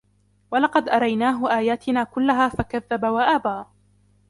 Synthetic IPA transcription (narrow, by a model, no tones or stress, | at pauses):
walɑqɑd̪ʔɑɾˤɑjnaːɦʊʔaːjaːt̪ɪnaːkʊlːaɦaːfakaðːabawaʔaːbaː